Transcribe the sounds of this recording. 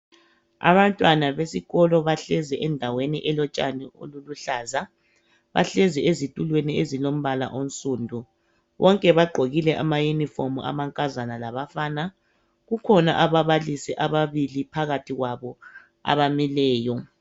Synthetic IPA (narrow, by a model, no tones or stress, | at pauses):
a̰βantʼwanaβesiɣɔlɔβaɬɛzɛʔɛndʱaweniʔɛlɔt͡ʃʼa̰nio̰luluɬaːza | βa̰ɬɛziezitʼulweniezilom̩βala̰ʔon̩sʼuːndʱu | βɔŋkʼɛβaɡ͡ǃʱoɣilɛʔamajunifomuʔa̰maŋkʼazanalaβafaːna | ɣukʰɔna̰ʔaβaβalisɛʔaβaβilipʰaɣatʰiɣwaβɔ | a̰βamilɛːjɔ